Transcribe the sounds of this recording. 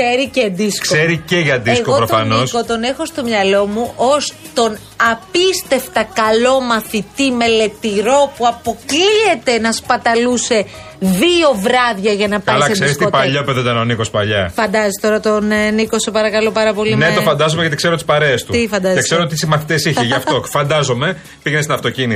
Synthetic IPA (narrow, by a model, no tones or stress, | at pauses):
eɾiced̪isksoeɾiceʝɐd̪iesɣkoopɾot̪fɐnoskot̪o̞ne̞xo̞st̪o̞mɲɐlo̞muʔost̪o̞n | ɐpist̪e̞ft̪ɐkɐlo̞mɐθit̪ime̞le̞t̪iɾo̞puɐpo̞kliet̪e̞nɐspɐt̪ɐluse̞ | ðio̞vɾɐðʝɐʝɐnɐpɐlɐsekseɾist̪ipɐʎɐpeðoidt̪ɐnoniko̞spɐʎɐfɐnd̪ɐzest̪o̞ɾɐt̪onniko̞sepɐɾɐkɐlo̞pɐɾɐpo̞lineofɐnd̪ɐzomeʝɐt̪ikseɾot̪ispɐɾe̞ːst̪uifɐnd̪ɐzekseɾoot̪isimɐθit̪esiçeʝɐft̪ofɐnd̪ɐzo̞me̞ | piʝenest̪inɐft̪ocini